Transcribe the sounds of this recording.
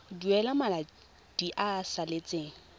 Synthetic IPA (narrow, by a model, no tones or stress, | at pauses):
duɛlamala | d̥iʔasalɪt͡sʼeːŋ̩